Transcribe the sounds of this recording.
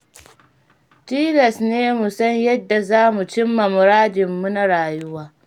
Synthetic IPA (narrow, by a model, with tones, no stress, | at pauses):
tiː˦lɐ˨sneː˦mu˨sɐ˦ɲjɐ˦dːa˨zaː˦mu˨t͡ʃɪ˦mːɐ˨mʊ˨ɾaː˦dɪ˨mːu˦na˦ɾaː˨jʊ˦waː˦